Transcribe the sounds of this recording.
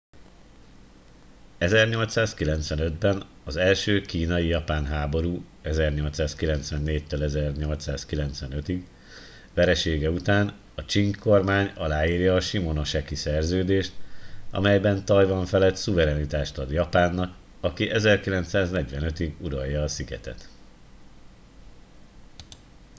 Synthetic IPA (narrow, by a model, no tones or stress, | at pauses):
ɛzɛrɲo̞lt̪saːskilɛnt̪sʋɛnø̞d̪bɛn | ɒzɛlʃøːkiːnɒjijɒpaːnɦaːbo̞ɾuː | ɛzɛrɲo̞lt̪saːskilɛnt̪sʋɛnːeːc̚t̪ølɛzɛrɲo̞lt̪saːskilɛnt̪sʋɛnøt̪iɡ | ʋɛɾɛʃeːɡɛut̪aːn | ɒt͡ʃiŋkkʰo̞rmaːɲɒlaːiːrjɒːʃimo̞no̞ʃɛkisɛrzøːd̪eːʃt̪ɒ̰mɛjbɛnt̪ɒjvɒɱfɛlɛt̪suvɛɾɛnit̪aːʃt̪ɒd̪jɒpaːnːɒk | ɒkiʔɛzɛrkilɛnt̪saːznɛɟʋɛnøt̪iɡuɾɒjːɒːsiɡɛ̰t̪ɛ̰t̪